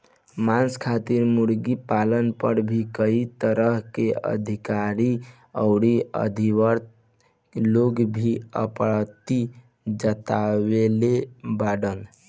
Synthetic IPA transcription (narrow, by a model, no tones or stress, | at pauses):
manskʰat̪iɾmuɾɡipalənpəɾbʱikəit̪əɾəɦkeə̰d̪ʱikaɾi | ə̰ʊɽiə̰d̪ʱiʋəɾt̪̚ | loɡbʱiə̰pɾt̪i | d͡ʒət̪awelebaɖən